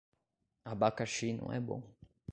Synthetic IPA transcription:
abakaʃinṵ̃ɛ̰bo̰

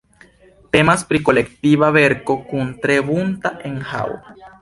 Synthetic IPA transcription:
t̪e̞maspɾikolekt̪iβaβe̞ɾkokunt̪ɾeβunt̪aʔeŋha̰wa

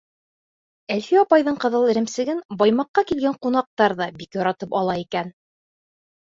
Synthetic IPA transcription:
ælfiɑpɑjðɤɴqɤ̆ðɤlˠɘ̆ɾɘ̆msɘ̆ɡɘnbɑjmɑqːɑkilɡæɴqun̪ɑq̚t̪ɑɾðɑbikjɑɾɑt̪ɤpɑlˠɑikæn

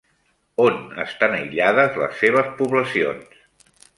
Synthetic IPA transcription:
onə̰st̪anəiʎaðəzlə̰sːeβ̞əspuβləsio̰ns

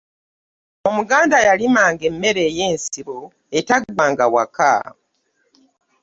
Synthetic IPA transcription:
o̞muɡaːndajalimaːŋɡe̞mːe̞ɾe̞ːjeːnsiβo̞ | etaɡuβaːŋɡawa̰ka̰

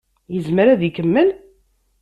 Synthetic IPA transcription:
jəzməɾæðikəmːən

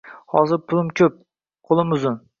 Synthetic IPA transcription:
hɒzɪɾpʰʊlˠɪmkʲʰɵp̚ | qʰʊlˠɪmʊzʊn

